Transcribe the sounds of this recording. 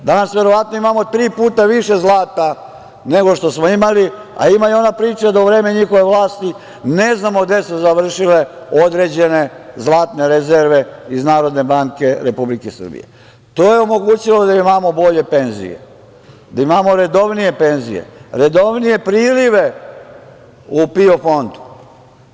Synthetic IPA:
d̪anasʋe̞ɾoʋat̪noimamo̞t̪ɾiːpuːt̪aʋiʃezlaːt̪a | ne̞ɡo̞ʃt̪o̞smoimali | a̰imajo̞napɾiːt͡ʃad̪ouʋɾeːmeɲixo̞ʋeʋlaːst̪i | neznamoɡd̪esuzaʋr̩ʃile̞ | o̞d̪ɾe̞d͡ʑe̞ne̞zlˠaːt̪ne̞ɾezeɾʋe̞iznaːɾo̞d̪ne̞baŋke̞ɾepublikesr̩bḭjḛ | t̪o̞ːjeo̞mo̞ɡuːt͡ɕilo̞d̪aimamo̞bo̞ʎe̞penzḭjḛ | d̪aimamoɾe̞d̪o̞ʋnije̞pe̞nzḭjḛɾe̞d̪o̞ʋnije̞pɾiːliʋe | upio̞fo̞nd̪u̥

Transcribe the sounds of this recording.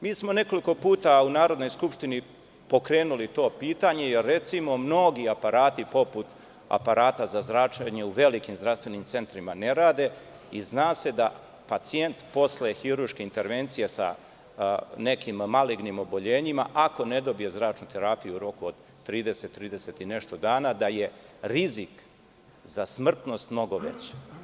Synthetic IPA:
miːsmo̞ne̞ko̞liko̞puːt̪aunaːɾod̪nojskupʃt̪ini | po̞kɾe̞ːnulit̪o̞ːpiːt̪aɲe̞jerːe̞t̪simo̞mno̞ɡiapaɾaːt̪ipo̞put̪ | a̰paɾaːt̪azazɾat͡ʃaɲe̞uʋe̞likimzd̪ɾast̪ʋe̞nimt̪se̞nt̪ɾimaneɾaːd̪e̞ | iznaːse̞d̪a | pat̪sije̞nt̪po̞slexiɾurʃke̞int̪e̞ɾʋe̞nt̪sijesa̰ | ne̞kimːaliɡnimo̞bo̞ʎeːɲimaʔako̞ne̞d̪o̞bije̞zɾaːt͡ʃnut̪e̞ɾaːpijuuɾo̞kuod̪ | t̪ːɾiːd̪ese̞t̪ːɾiːd̪eset̪ine̞ʃt̪o̞d̪aːnad̪aje̞ɾizik | zasmr̩t̪no̞st̪mno̞ɡo̞ʋḛt͡ɕe̥

